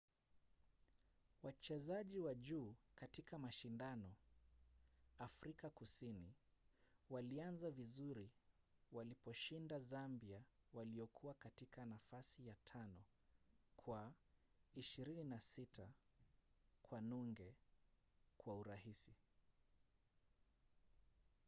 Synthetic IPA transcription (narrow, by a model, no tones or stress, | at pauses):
wat͡ʃɛzaʄiwaʄuːkatikamaʃindanɔ | afɾikakusini | walianzavizuɾi | walipɔʃindazambiawaliɔkʰuwakatikanafasijatʰanɔ | kʰwa | iʃiɾininasita | kwanuŋɡɛ | kwauɾahisi